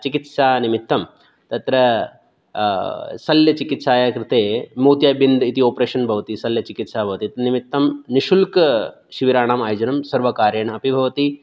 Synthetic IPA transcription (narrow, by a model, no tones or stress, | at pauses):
t͡ʃikit̪saːnimit̪ːɐm | t̪ɐt̪ɾɐ | sɐljɐt͡ʃikit̪saːjakɾɪt̪eːmoːt̪jaːbind̪it̪ioːpɾeːʃɐnbʱɐʋɐt̪isɐljɐt͡ʃikit̪saːbʱɐʋɐt̪it̪nimit̪ːɐmniʃulk | ʃiʋiɾaːɳaːmaːjd͡ʒɐnɐmsɐɾʋɐkaːɾjɐːɳɐɐpibʱɐʋɐt̪i